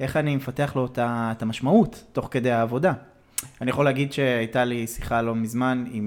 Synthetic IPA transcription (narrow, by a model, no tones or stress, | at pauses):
ʔe̞χanime̞fateaχloetaetamaʃmautːo̞χke̞d̪e̞jaːvo̞da | anijaχoleaɡid̪ʃe̞ajtalisi̥χalo̞mizmanim